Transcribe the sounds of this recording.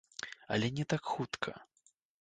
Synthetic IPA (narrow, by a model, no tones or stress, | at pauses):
ɐ̰lʲɛnʲɛt̪akxut̪kʰɐ̰